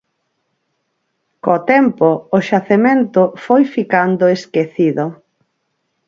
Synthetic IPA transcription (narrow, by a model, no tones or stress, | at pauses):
kot̪ɛmpoːʃaθemẽnt̪ʊfojfikand̪ʊeskeθiðo